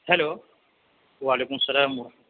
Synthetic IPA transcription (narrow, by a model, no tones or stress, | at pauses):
hɛloː | ʋaːleːkʊmɐsɐlaːm